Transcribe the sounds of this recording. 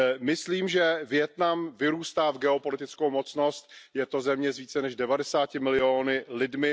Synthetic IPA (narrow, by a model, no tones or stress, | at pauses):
mɪsliːmʒɛvjɛt̪namvɪɾuːst̪aːvɡɛo̞po̞lɪt̪ɪt͡skowmot͡sno̞st̪̚jɛt̪o̞zɛmɲɛzviːt͡sɛnɛʃdɛvadɛsaːcɪmɪlɪoːnɪlɪdmɪ